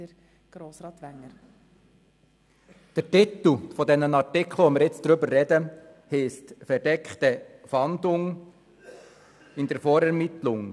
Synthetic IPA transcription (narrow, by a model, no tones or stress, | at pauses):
əɾ | ɡ̥ɾoːsɾɑːt̪ʋæŋːəɾ | d̥əɾtit̪l̩fɔdɛnənɑɾtɪkʰl̩ˠʋɔmɪːɾjɪt͡sd̥̪ɾʏbəɾːɛdə | hiːstfɛɾdɛkχt̪əfɑnd̪ʊŋ | ɪnd̪əɾfɔːɾɛɾmɪt̪lʊŋ